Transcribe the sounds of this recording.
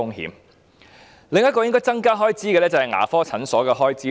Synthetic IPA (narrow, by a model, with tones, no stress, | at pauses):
ʊ˥ŋɦḭː˨˧m | lɪ˨ŋjɐ˥t̚kɔː˧jɪ˥ŋkɔː˥jt͡sɐ˥ŋkaː˥ɦɔː˥jt͡siː˥kɛ˧lɛː˥t͡sɐ˨hɐ˨jŋa̰ː˨˩fɔː˥t͡sʰɐ˨˥nsɔː˨˥kɛː˧ɦɔː˥jt͡siː˥